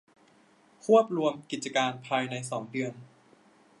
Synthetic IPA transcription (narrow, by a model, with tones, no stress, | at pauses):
kʰu˥˩əp̚ɾu˧əmki˨˩t̪̚t͡ɕa˧kaː˧npʰaː˧jna˧jsɔː˩˦ŋdɯ˧ən